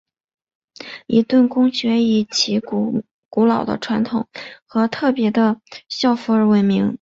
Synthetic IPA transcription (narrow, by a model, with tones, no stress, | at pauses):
ḭ˧˥t̪wə˥˩nkʊ˥ŋɕɥɛ˧˥i˨˩t͡ɕʰi˧˥ | ku˧˥lɑ˨˩ʊd̪ə̰˦ʈ͡ʂʰwa˧˥nt̪ʰʊ˨˩˦ŋxɤ˧˥t̪ʰɤ˥˩pjɛ˧˥d̪ə˧ɕjɑ˥˩ʊfu˧˥ə˞˨˩we˧˩ɪmi˧˥ŋ